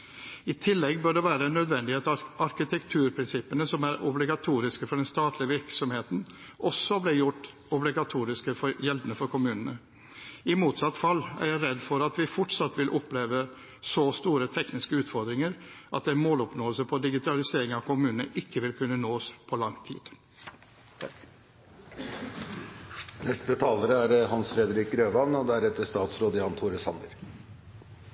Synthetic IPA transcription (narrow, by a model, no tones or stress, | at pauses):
ɪt̪ʰɪlːɛɡbøɖɛʋæːɾəɛnœd̪ʋɛnd̪ɪheːt̪ɑɾkɪt̪ʰɛkt̪ʰʉːɾpʰɾɪnsɪpːənəsɔmæɾʊblɪɡɑt̪ʰuːɾɪskəfɔɖɛnst̪ɑːt̪ʰlɪəʋɪɾksɔmheːt̪n̩ | ʔɔsːɔblɪjʊʈː | ɔblɪɡɑt̪ʰuːɾɪskəfɔɾjɛld̪ənəfɔɾkʊmʉːnənə | ɪmuːt̪sɑt̪ːfɑlːæ̰ɾjæɪɾɛd̪ːfɔɾɑt̪ʋɪfɔʈsɑt̪ːʋɪlʔɔpleːʋə | sɔst̪uːɾət̪ʰɛknɪskəʉːt̪fɔɾd̪ɾɪŋəɾʔɑ̰t̪̚d̪ɛnmoːlɔpnoːəlsəpʰɔd̪ɪɡɪt̪ʰɑlɪseːɾɪŋɑʋkʰʊmʉːnənə̰ʔɪkːəʋɪlkʰʉnːənoːspʰɔlɑŋt̪ʰḭːd̪̥ | nɛst̪bɛt̪ʰɑːləɾəæɾhɑnsfɾɛd̪əɾiːkɾøːʋɑnɔd̪ɛæɾɛt̪ːəʂt̪ɑːt̪sɾoːd̪ɪɑnt̪ʰuːɾəshɑ̰nd̪ə̰ɾ